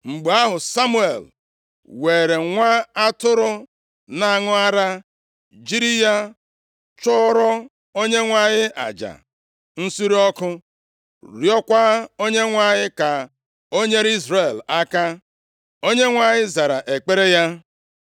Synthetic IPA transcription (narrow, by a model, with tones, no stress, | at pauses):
ŋ͡m̩˨ɡ͡ba˦ɦʊ˨sa˦mu˦ḛ˨l | weː˨ɾe˨ŋʷa˦a˦tʊ˦ɾʊ˦ | na˨ŋʊ˦a˦ɾa˦ | d͡ʒi˦ɾi˦ja˦ | t͡ʃʊ˦ɾɔ˦ | o˦ɲe˦ŋʷa˨ɲɪ˦ʔa̰˨d͡ʒa̰˨ | n̩˦si˦ɾi˦ɔ˦kʊ˦ | ɾjɔ˦kʷa˦o˦ɲe˦ŋʷa˨ɲɪ˦ka˨ | o˦ɲe˦ɾi˦zɾe˨la˦ka˦ | o˦ɲe˦ŋʷa˨ɲɪ˦za˨ɾa˨ʔe˨k͡pe˦ɾe˦ja˦